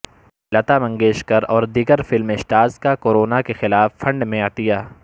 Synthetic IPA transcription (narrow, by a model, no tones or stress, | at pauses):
lɐt̪amɐ̃ŋɡeːʃkɐɾɔːɾd̪iːɡəɾfɪlmɪʃʈaːzkakoːɾoːnakexɪlaːfːɐ̃ɳɖmẽaːt̪ijaː